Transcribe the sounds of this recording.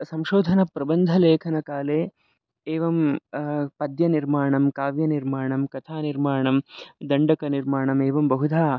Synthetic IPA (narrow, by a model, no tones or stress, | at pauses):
sɐmʃoːd̪ʱɐnɐpɾɐbɐnd̪ʱɐleːkʰɐnɐkaːleː | eːʋɐm | pɐd̪jɐniɾmaːɳɐmkaːʋjɐniɾmaːɳɐmkɐt̪ʰaːniɾmaːɳɐmd̪ɐɳɖɐkɐniɾmaːɳɐmeːʋɐmbɐɦud̪ʱaː